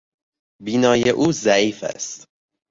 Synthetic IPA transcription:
biːnɒːjeʔuːzæʔiːfæ̰st̪

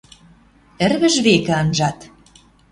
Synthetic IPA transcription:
ɘ̆rβə̆ʒβekɘ̆ɑnʒɑt̪

